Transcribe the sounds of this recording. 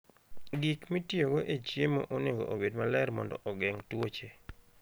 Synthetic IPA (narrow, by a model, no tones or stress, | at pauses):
ɡikmitioɡoʔet͡ʃjemo̰ʔonɪɡo̰ʔobedmalɛɾmɔ̰ndɔ̰ʔɔɡɛŋtwot͡ʃe